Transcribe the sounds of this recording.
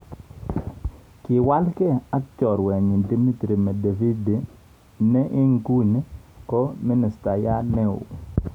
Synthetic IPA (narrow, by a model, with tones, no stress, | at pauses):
kɪ˨wa˦lkɛ˦a˦kt͡ʃɔ˨ɾwɛ˨ɲ˨di˦mi˦tɾi˨mɛ˨de˨vi˦d | nɛ˦ʔɪ˦ŋku˦n˦kɔ˦mi˦nɪ˨sta˨ja˦nɛ˦ʊ̰˨